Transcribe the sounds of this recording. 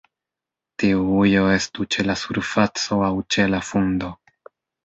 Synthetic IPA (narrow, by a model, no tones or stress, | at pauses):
tiuujo̞e̞stut͡ʃe̞lasuɾfat͡so̞awt͡ʃe̞lafundo̞